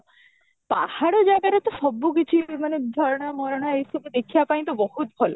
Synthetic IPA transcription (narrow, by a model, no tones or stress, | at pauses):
pa̰haɽod͡ʒaɡaɾet̪ɔʃɔbːuk̬it͡ʃʰimaned̪ʱɔɾɔɽ̃amɔɾɔɽ̃aejsɔbud̪ekʰijapaj̃t̪ɔbɔhut̪̚bʱɔlo̰